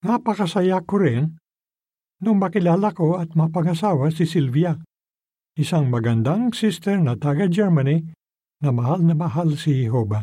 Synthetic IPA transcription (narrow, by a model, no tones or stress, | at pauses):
ŋɐpɐkɐsɐjakoɾɪn | nʊŋmɐkɪlaːlɐko̞ɐt̪̚mɐpɐŋɐsaːwɐsɪsilvia | ʔɪsaŋmɐɡɐnd̪aŋsist̪ɛɹnɐt̪aːɡɐd͡ʒɛɹmɐni | nɐmɐɦalnɐmɐɦalsɪhɛɦo̞ːba